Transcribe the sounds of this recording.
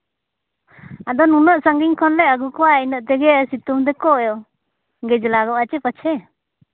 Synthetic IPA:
ad̪ɔnunəʔsaŋɡiɲkʰɔnlɛaɡukɔwainəʔt̪ɛɡɛasit̪umd̪ɛkɔjɔ | ɡɛd͡ʒlaɡɔʔat͡ʃɛpət͡ʃʰɛ

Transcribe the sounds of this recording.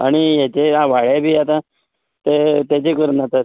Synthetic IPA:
aɽ̃ijat͡ɕeaʋaɭebʱiːat̪ã | t̪et̪jat͡ɕekəɾnat̪əɾ

